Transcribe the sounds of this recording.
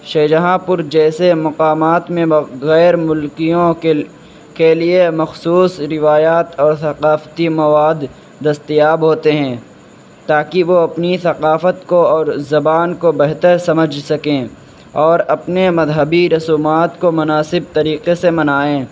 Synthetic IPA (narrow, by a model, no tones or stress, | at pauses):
ʃeːd͡ʒɐɦãpʊɾd͡ʒɛːsemɐqaːmaːt̪mẽɐɣɛːɾmʊlkijõ | keliemɐxsuːsɾɪʋaːjaːt̪ɔːɾθɐqaːft̪imɐʋaːd̪ː | ɐst̪ijaːbɦoːt̪eɦɛ̃ː | t̪aːkiʋoɐpniθɐqaːfət̪koɔːɾzɐbaːnkobɛɦt̪əɾsɐməd͡ʒʱsɐkẽː | ɔːɾɐpnemɐzɦəbiɾɐsuːmaːt̪komʊnaːsɪb̚t̪ɐɾiːqesemɐnaːẽː